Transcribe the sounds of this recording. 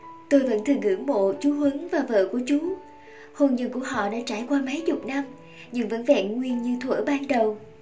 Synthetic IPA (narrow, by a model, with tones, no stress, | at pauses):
t̪o˧jvə̰˧˥nt̪ʰɨ˨˩ŋɨ̰˧˩əŋmo̰˧˨t͡ɕu˨˦ɦwə˨˦ŋvaː˨˩və̰ː˧˨ku˧˩ət͡ɕʊ˨˦ | ho˨˩nɲə̰˧˩nku˧˩əɦɔ̰˧˨ɗa̰ː˧˥t͡ɕaː˧˩jkwaː˧mə˨˦jzʊ˨˩k͡p̚na˧m | ɲɨ˧ŋvə̰˧˥nvɛ̰˧˨nŋwi˧ənɲɨ˧t̪ʰwə̰ː˧˩ɓaː˧nɗə˨˩w